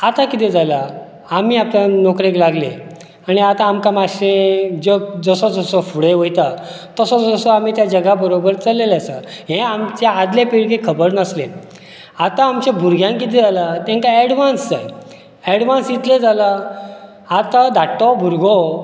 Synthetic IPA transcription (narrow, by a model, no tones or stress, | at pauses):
at̪akit̪ed͡zalaː | miapljanokɾeklaɡle | aɽ̃iat̪ãːmkamaɕẽd͡zəd͡zəsod͡zəsɔfuɽeʋojt̪a | t̪əsɔd͡zəsoam̤it̪jad͡ʑəɡabəɾobəɾt͡salelasəɦẽamt͡ɕaad̪lepiɽkekʰəbəɾnəsle | at̪ãːmt͡ɕebʱuɾɡʱjãŋkit̪ɛd͡zalat̪jãŋkaɛɽʋansd͡zaj | ɛɽʋãnsjit̪led͡zala | at̪ad̪ʱaʈːɔbʱuɾɡo